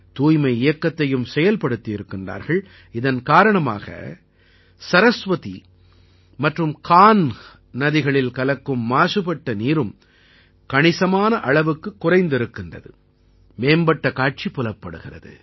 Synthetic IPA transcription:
t̪uːjmɐɪɪjɐkːɐt̪ːɐjɯmsɛjɐlpɐɽɯt̪ːɪjɪɾɯkːɪndra̰ːɾɣɐɭ | ɪðɐnkaːɾɐɳɐma̰ːɣɐ̰ | sɐɾɐsʋɐt̪ḭ | mɐʈrɯmkaːn | nɐðɪɣɐɭɪlkɐlɐkːɯmːaːsɯpɐʈːɐniːɾɯm | kɐɳɪsɐmaːnɐʔɐɭɐʋɯkːɯkːʊrɐɪnd̪ɪɾɯkːɪndrɐ̰ðɯ | meːmbɐʈːɐkaːʈ̚t͡ʃipːʊlɐpːɐɽɯɣɪrɐðɯ̰

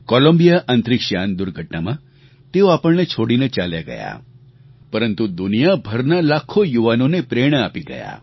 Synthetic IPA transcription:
kɔlombijaʔant̪ɾikʃand̪uɾɡʱəʈnamã | t̪eoapəɭnet͡ʃʰoɽinet͡ʃalja̰ɡə̰ja̰ | pəɾənt̪ud̪unijabʱəɾnalakʰojuʋanonepɾeɽ̃əapiɡə̰ja̰

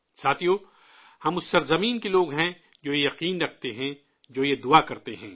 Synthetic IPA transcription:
saːt̪ʰijoː | hɐmʊsːɐɾzɐmiːnkeloːɡɦɛ̃ | d͡ʒoːjejɐqiːnɾɐkʰt̪eɦɛ̃ | d͡ʒoːjed̪ʊakɐɾt̪eɦɛ̃ː

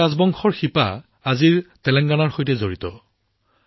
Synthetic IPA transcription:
azbɔŋxɔɹxipa̰ | aziɹtɛlɛŋɡanaɹxojtɛzoɹitɔ

